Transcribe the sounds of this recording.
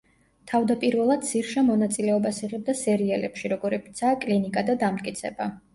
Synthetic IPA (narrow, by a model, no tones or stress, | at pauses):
t̪ʰavd̪apʼiɾvɛlˠad̪siɾʃamɔnat̪sʼilɛɔbasiʁɛb̚d̪asɛɾialɛ̰pʃiɾɔɡɔɾɛpʰi̥t̪sʰaːkʼlinikʼad̪ad̪amt̪ʼkʼit̪sʰɛ̰ba